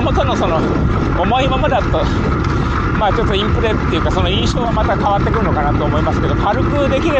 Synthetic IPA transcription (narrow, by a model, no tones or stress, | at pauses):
mot̪onoso̞no̞ | omo̞imamad̪at̪ːo | maːt͡ɕo̞t̪ːo̞ĩmpɯ̟ɾe̥t̪ːe̞jɯ̟kaso̞no̞ĩɰ̃ɕo̞ːβamat̪akaβat̪ːe̞kɯ̟ɾɯno̞kanat̪o̞ːmo̞imasɨ̥ke̞d̪oɸaɾɯ̟kɯ̟d̪e̞kʲiɾe